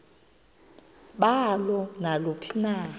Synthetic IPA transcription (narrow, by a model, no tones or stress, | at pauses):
ɓalɔnalopʰi̥naː